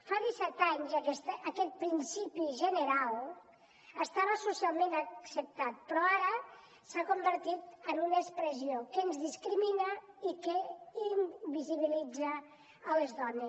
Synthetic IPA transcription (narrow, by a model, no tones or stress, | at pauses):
faðisɛt̪aɲzəkɛst̪ːkɛt̪̚pɾinsipiʒənəɾalˠ | əst̪aβəsusialˠmenəksəp̚t̪at̪̚pɾɔaɾə | sakumbəɾt̪it̪ənunəspɾəziokənzðiskɾiminəikeimbiziβ̞ilid͡zəː | lezðɔnes